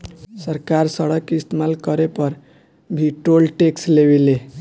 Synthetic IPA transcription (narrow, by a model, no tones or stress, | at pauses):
səɾkaɾsəɽəkːɪst̪emalkəɾepʌɾ | bʱiʈolʈekslebele